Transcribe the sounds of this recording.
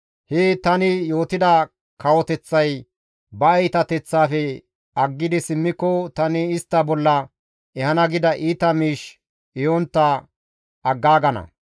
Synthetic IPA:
het̪ɐnɪjo̞ːt̪ɪd̪ɐ | kɐwɔt̪ɛt͡sːɐj | bɐɐjt̪ɐt̪ɛt͡sːaːfɛ | ɐɡːɪd̪ɪsɪmːɪkːɔt̪ɐnɪːst̪ːɐbɔlːɐ | ɛhɐnɐɡɪd̪ɐʔiːt̪ɐmiːʃ | ɪjont̪ːɐ | ʔːɡːaːɡɐnɐ̰

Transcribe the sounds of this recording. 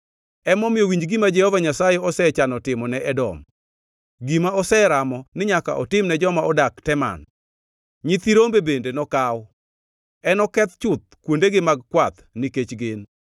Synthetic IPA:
ɛmɔmɪjowiɲd͡ʒɡimad͡ʒɛhɔvaɲasajɛɔsɛt͡ʃanɔtɪmɔnɛʔɛdɔ̰m | ɡimaɔsɛɾamɔnɪɲaka̰ʔɔtɪmnɛd͡ʒɔmaɔdaktɛma̰n | ɲit̪iɾombebendenɔkaw | ɛnɔkɛt̪t͡ʃʊt̪̚kwondeɡɪmaɡ̚kwat̪niket͡ʃɡen

